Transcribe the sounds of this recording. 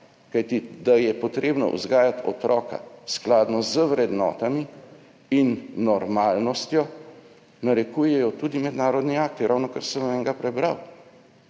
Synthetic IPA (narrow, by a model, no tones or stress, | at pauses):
kajt̪id̪ajɛpɔt̪ɾeːbnɔ̰ʔṵzɡaːjat̪ɔ̰t̪ɾʔɔːka̰sklaːd̪nɔzəʋɾɛd̪nɔ̰ːt̪ami | inːɔɾmaːlnɔst̪jɔ | naɾɛkuːjɛjɔt̪uːd̪imɛd̪naːɾɔd̪niaːk̚t̪iɾawnɔkaɾsəmɛŋɡapɾɛbɾaw